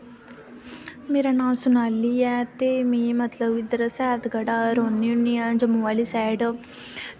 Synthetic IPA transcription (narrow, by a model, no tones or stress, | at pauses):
miɾɐnaːsunɐlːijaːt̪eːmimɐt̪lɐʋid̪ɾɐsaːd̪ɡɐɽaɾonːiunːijaːnd͡ʒɐmuʋɐlisaːɖ